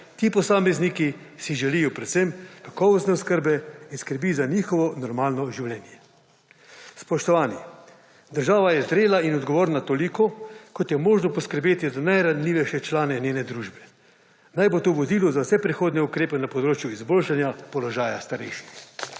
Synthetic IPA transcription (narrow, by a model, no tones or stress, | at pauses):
t̪iːpɔsaːmɛzniki | siʒɛlijɔpɾɛt̪semkakɔːʋɔst̪nɛuskəɾbɛinskəɾbizaniːxɔʋɔnɔɾmaːlnɔʒiwlɛːnjɛ | spɔʃt̪ɔʋaːni | d̪əɾʒaːʋajɛzd̪ɾeːlainɔd̪ɡɔʋoːɾnat̪oːlikɔkɔt̪jɛmoːʒnɔpɔskəɾbeːt̪izanajɾanliːʋɛjʃɛt͡ʃlaːnɛnʲeːnɛd̪ɾuːʒbɛ̥ | najbot̪oʋɔd̪iːlɔzawsɛpɾixoːd̪nɛukɾeːpɛnapɔd̪ɾoːt͡ʃjuizboːlʃanjapɔlɔʒaːjast̪aɾɛ̰jʃix